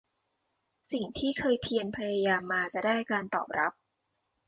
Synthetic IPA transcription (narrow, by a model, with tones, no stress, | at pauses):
si˨˩ŋt̪ʰiː˥˩kʰɤː˧jpʰi˧ənpʰa˧jaː˧jaː˧mːaː˧t͡ɕa˨˩ʔdaː˥˩jkaː˧nt̪ɔ̰ː˨˩p̚ɾa˦˥p̚